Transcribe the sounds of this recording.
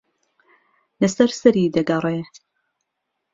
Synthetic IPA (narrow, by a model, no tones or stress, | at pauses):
lɐsɐɾsɐɾiːd̪ɐɡɐrˤeː